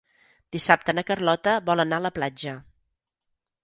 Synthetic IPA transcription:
d̪̥isap̚t̪ənəkərlɔt̪əβɔlənaələplad͡ʒə

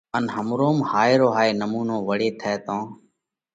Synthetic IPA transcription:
ənɦəmɾoːmhaːeːɾoːɦaːeːnəmuːnõːʋəɽeːt̪ʰɛːt̪õː

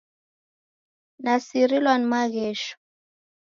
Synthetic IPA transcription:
nasiɾilwanimaɣɛːʃɔ̥

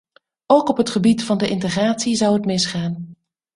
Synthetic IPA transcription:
owkɔpɦətχəbitfɑndəʔɪntəχraːtsizʌwətmɪsχaːn

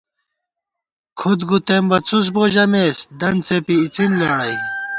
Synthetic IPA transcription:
kʰud̪ɡut̪embɐt͡sus̬boʑɐmeːsd̪ɐnt͡sepiːt͡sinlaɽɐj

